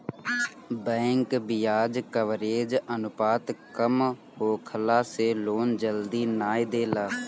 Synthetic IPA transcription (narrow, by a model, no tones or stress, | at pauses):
bɛ̃ːŋkbɪjaːd͡ʒkəʋɾeːd͡ʒənʊpaːt̪kəm | ɦoːkʰəlaːseːloːnd͡ʒəld̪iːnaːjd̪eːlaː